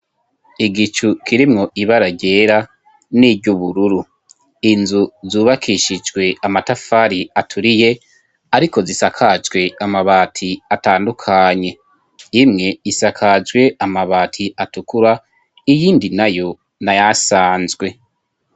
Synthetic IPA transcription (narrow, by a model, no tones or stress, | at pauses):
iɡit͡ʃukʰiɾimŋo̞ʔiβaɾaɟe̞ːɾa | niːbɟuβuɾuɾu | inzuzuːβakʰiʃid͡ʒɡwe̞amatafaɾiatʰuɾije̞ | aɾiko̞zisakʰad͡ʒɡwe̞amaβaːtʰiataːndukʰaɲe̞ | imŋe̞isakʰad͡ʒɡwe̞amaβaːtʰiʔatukuɾa | ijiːndinajo̞ | najasaːnzɡwe̞